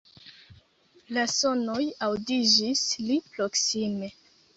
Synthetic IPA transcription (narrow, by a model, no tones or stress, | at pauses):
laso̞no̞jawdid͡ʒislipɾo̞ksime̞